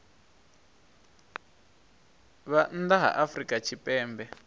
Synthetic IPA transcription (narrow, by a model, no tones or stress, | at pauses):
βand̪aɦa̰ʔafrikʼat͡ʃʰipʼɛːmbɛ